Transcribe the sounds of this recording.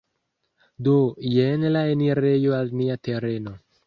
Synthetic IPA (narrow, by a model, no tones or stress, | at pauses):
dojenlaeniɾe̞jo̞alniate̞ɾe̞no̞